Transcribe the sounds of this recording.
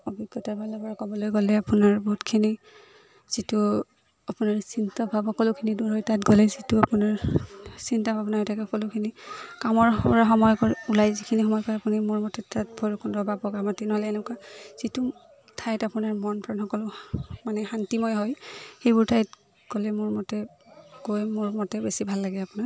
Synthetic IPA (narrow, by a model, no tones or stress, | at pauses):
ɔbʱiɡɔtaɹbʱalɔpɔɹakɔbɔlojɡolɛapunaɹbɔɦutkʰini | z̥itʊ | apʊnaɹsintɔbʱabɔkɔlokʰiniduɹɔjtatɡɔlɛzituapʊnaɹsintabʱabnaɔjtʰakɔkɔlʊkʰinikamɔɹpɔɹaɦɔmɔjkɔɹulajzikʰinixɔmɔjkɔɹɛapunimʊɹmɔtɛtat̚bʱɔɹukɔndɔbabɔɡamatinɔɦɔlɛɛnʊkaz̥itu | tʰajtapunaɹmɔnpʰɹanhɔkɔlʊmanɛhantimɔjɦɔjxejbʊɹtʰajt | ɡ̥ɔlɛmʊɹmɔtɛɡojmʊɹmɔtɛbesibʱalːaɡɛapʊnaɹ